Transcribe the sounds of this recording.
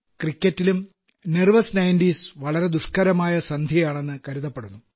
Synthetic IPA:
krikʲːɐtːilum | nerʋɐsnɐjnɖiːsʋɐɭɐɾe̞d̪uʂkɐɾɐmaːjɐsɐnd̪ʱjɐjaːɳe̞nːɨkɐɾuðɐpːeɽunːu

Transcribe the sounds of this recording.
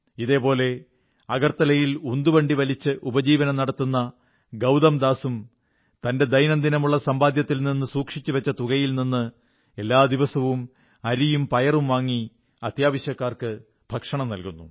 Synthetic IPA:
iðe̞ːpo̞ːle̞ | ɐɡɐrt̪ɐlɐjilund̪uʋɐɳɖiʋɐlit͡ɕːɨʔubɐd͡ʑiːʋɐnɐmnɐɽɐt̪ːunːɐ | ɡɐwd̪ɐmd̪aːsum | t̪ɐnde̞d̪ɐjnɐnd̪inɐmuɭːɐsɐmbaːd̪jɐt̪ːilninːɨsuːkʂit͡ɕːuʋet͡ɕːɐt̪uɣɐjilninːɨ | e̞lːaːd̪iʋɐsɐʋum | ɐɾijumpɐjɐrumʋaːŋːi | ɐt̪jaːʋɐɕjɐkːaːrkɨ | bʱɐkʂɐɳɐmnɐlkunːu

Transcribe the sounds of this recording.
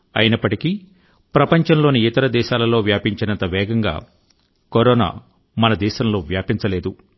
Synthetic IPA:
ɐjinɐpːɐʈiki | pɾɐpɐɲt͡ʃɐmlo̞ːniit̪ɐɾɐd̪ɛːʃaːlɐlo̞ːʋjaːpiɲt͡ʃɐnɐnt̪ɐʋɛːɡɐŋɡa̰ː | koɾoːna̰ː | mɐnɐd̪ɛːʃɐmlo̞ːʋjaːpiɲt͡ʃɐle̞ːd̪u

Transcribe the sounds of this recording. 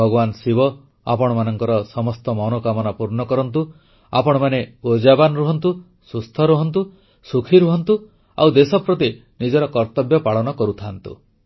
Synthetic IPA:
bʱɔɡɔbansibɔ | a̰pɔɽ̃ɔmanɔŋkɔɾɔsɔmɔst̪ɔmɔnokamɔnapuɾɳɔkɔɾɔnt̪u | a̰pɔɽ̃ɔmaneod͡ʒabanɾuɦɔnt̪u | sust̪ʰɔɾuɦɔnt̪̬u | sukʰiɾuɦɔnt̪u | a̰wd̪esɔpɾɔt̪i | nid͡ʒɔɾɔkɔɾt̪ɔbjɔpaɭɔnɔkɔɾut̪ʰant̪ṵ

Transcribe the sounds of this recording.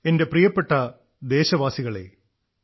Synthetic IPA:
e̞nde̞prijɐpːe̞ʈːɐ | d̪e̞ːɕɐʋaːsiɣɐɭe̞̰

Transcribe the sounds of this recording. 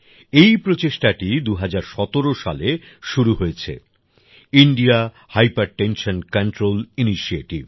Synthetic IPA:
ejpɾot͡ɕeʃʈaʈid̪uɦad͡ʑaɾʃɔt̪oɾoʃa̰le | ʃuɾuɦojet͡ɕʰḛ | iɳɖia | hajpaɾʈenʃonkanʈɾoliniʃieʈib

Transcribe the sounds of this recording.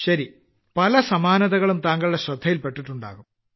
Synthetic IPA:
ɕɐɾi | pɐlɐsɐmaːnɐðɐɣɐɭumt̪aːŋɡɐɭɽeɕrɐd̪ʱːɐjilpe̞ʈːiʈːuɳɖa̰ːɣum

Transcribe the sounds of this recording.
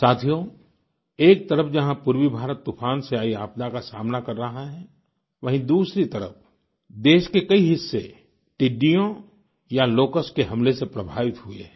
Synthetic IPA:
saːt̪ʰijõ | eːk̚t̪ɐɾəpʰd͡ʒɐɦãpuɾwibʱaːɾət̪ːufʰaːnseaːiaːpd̪akasaːmnakɐɾːɐɦaɦɛ̃ | ʋɐɦĩd̪uːsɾit̪ɐɾə̰p̚ʰ | d̪eːʃkekɐiɦɪsːḛ | ʈɪɖːijõ | jaloːkəskeɦɐmlesepɾɐbʱaːʋɪt̪ɦʊḛ

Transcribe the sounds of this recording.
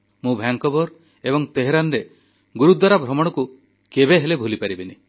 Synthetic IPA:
mũbʱjaŋkɔbɔɾ | ebɔŋt̪eɦeɾanɾe | ɡuɾud̪waɾabʱɾɔmɔɽ̃ɔku | kebeɦelebʱulipaɾibine

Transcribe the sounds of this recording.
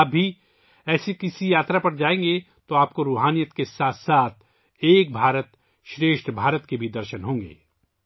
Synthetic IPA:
ɐbʱːi | ɛːsekɪsijaːt̪ɾapɐɾd͡ʒaːẽːŋɡe | t̪oaːp̚koɾuːɦaːnijət̪kesaːt̪ʰsaːt̪̚ʰ | eːk̚bʱaːɾət̪ | ʃɾeːʃʈbʱaːɾət̪kebʱid̪ɐɾʃənɦõːŋɡḛː

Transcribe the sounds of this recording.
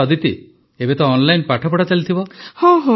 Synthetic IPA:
ɔd̪it̪i | ebet̪ɔːnlajnpaʈʰɔpɔɽat͡ʃalit̪ʰibɔhɔ̃ɦɔ̃

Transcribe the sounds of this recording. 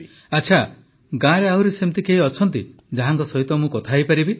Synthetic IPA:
at͡ʃʰa | ɡãɾeaɦuɾisemt̪ikeɦiɔt͡ʃʰɔnt̪i | d͡ʒaɦaŋkɔsɔɦit̪ɔmũkɔt̪ʰajpaɾibi

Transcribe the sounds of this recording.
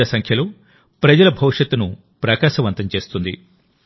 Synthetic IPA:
ɐsɐŋkʰjɐloː | pɾɐd͡ʒɐlɐbʱɐʋʂɐt̪ːunu | pɾɐkaːʃɐʋɐnt̪ɐmt͡ʃe̞ːst̪und̪ḭ

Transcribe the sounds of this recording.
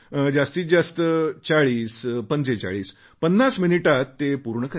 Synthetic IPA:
d͡ʑast̪iːd͡zast̪ət͡ɕaɭiːspənt͡set͡ɕa̰ɭiːs | pənːasminiʈat̪ːepuɾɳəka

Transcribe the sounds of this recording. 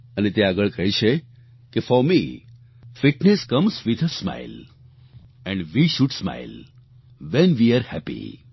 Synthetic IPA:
ənet̪eaɡəɭkəɦjt͡ʃʰe | kefɔɾmi | fɪʈneskʌ̃msʋid̪ʰəsma̰ɪl | ɛ̃ɳɖʋiʃuɖsma̰ɪl | ʋɛ̃nʋiaɾhɛpḭ

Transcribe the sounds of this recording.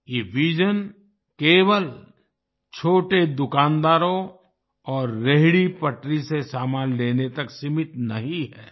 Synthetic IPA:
jeːʋiːd͡ʒən | keːʋəl | t͡ʃʰoːʈed̪ʊkaːnd̪aːɾõ | ɔːɾːeɦɽipɐʈɾisesaːmaːnleːnet̪ɐksɪmɪt̪nɐɦĩɦɛː

